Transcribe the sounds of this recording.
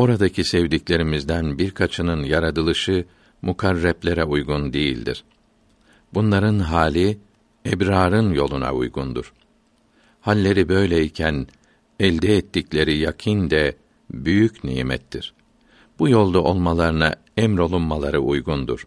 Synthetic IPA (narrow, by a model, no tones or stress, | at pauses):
o̞ɾad̪acʰisɛvd̪iclʲe̞ɾimizd̪ænbiɾkʰat͡ʃʰɯnɯnjaɾad̪ɯlˠɯʃɯ | mʔukʰaɾːɛplʲeɾɛujɡund̪ejḭlʲd̪ḭɾ̥ | bunlˠaɾɯnɦaːlʲi | ɛbɾaːɾɯnjo̞lˠuna̰ṵjɡund̪uɾ̥ | halʲːe̞ɾibø̞jlʲeicʰæn | ɛlʲd̪ɛːt̪ːiclʲe̞ɾijakʰind̪ɛ | byjycnḭːmɛ̰t̪ʰːiɾ̥ | b̥ujo̞lˠd̪aʔo̞lˠmalˠaɾɯna̰ | ɛmɾo̞lˠunmalˠaɾɯʔujɡund̪uɾ̥